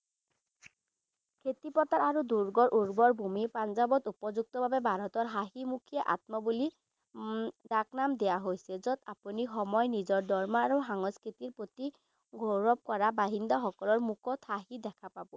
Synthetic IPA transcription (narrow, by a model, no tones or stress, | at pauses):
kʰet̪ipɔt̪aɹaɹuduɹɡɔɹʔuɹɡɔɹbʱumipanzabɔt̪upɔzuk̚t̪ɔbʱabɛbʱaɹɔt̪ɔɹɦaɦimukʰijɛʔa̰t̪̚mɔbuli | daknamd̪ɛjaɦojsɛzɔt̪apunixɔmɔjnizɔɹdɔɹmɔaɹuxaŋɔskʰit̪iɹpot̪i | ɡʱoɹɔb̚kɔɹabaɦindaxɔkɔlɔɹmukʰɔt̪haɦid̪ɛkʰapabʊ